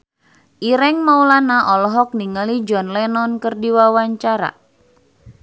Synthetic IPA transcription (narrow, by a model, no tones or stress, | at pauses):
ʔiɾɛŋmaulanaʔɔlɔɦɔk̚niŋalid͡ʒɔnlɛnɔnkɨrdiwawaɲt͡ʃaɾa̰